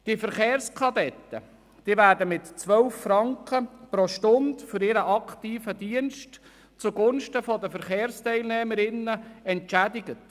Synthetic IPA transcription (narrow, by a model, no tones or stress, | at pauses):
d̥ifəɾχeːɾskʰɑdɛt̪ːə̰ | d̥iəvæːɾdəmɪtt͡sʋœlfːɾɑŋkχəpɾɔʃtʊndfʏɾɪɾəʔɑktiːfədiənʃt | t͡suɡʊnʃtəfɔd̪əfəɾχeːɾstɛɪlnɛːməɾɪnːəɛntt͡ʃædɪɡət